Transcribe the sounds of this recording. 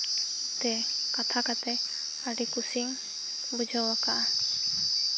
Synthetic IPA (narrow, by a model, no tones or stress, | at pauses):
t̪ɛkat̪ʰakat̪ɛ | aɖikusiŋ | bud͡ʒʱawwakaʔa